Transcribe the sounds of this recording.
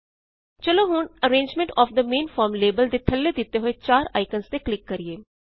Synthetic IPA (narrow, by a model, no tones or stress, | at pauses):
t͡ʃɐloɦuːnəɾẽːɲd͡ʒmẽɳʈɔːfd̪əmẽːnfɔːɾmleːbəld̪et̪ʰɐlːed̪it̪eɦoet͡ʃaːɾaːɪkənst̪eklɪkːɐɾieː